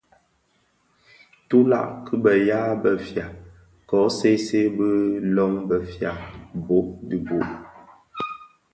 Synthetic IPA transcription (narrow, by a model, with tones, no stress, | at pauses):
tu˦la̰˦˨ʔkɨ˦bə˨jaː˦bə˨fja˨ | kɔ˨˦se˦se˦bə˦lɔ˦ŋbə˨fja˨bo˨˦di˨bo˨ʔ